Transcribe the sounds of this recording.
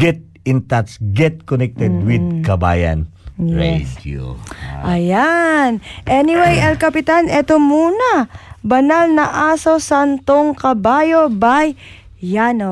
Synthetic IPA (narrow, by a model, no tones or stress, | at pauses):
ɡɛt̪̚ | ɪ̃nt̪at̪sɡɛt̪̚konɛk̚t̪ɛd̪̚wɪd̪̚kɐba̰jɐ̰n | jɹḛdo̰ʔɐjanʔɛnɪwejʔɛlkɐpɪt̪anʔɛt̪omuːnɐbɐnalnɐʔaːso̞sant̪oŋkɐbaːjobajː | ano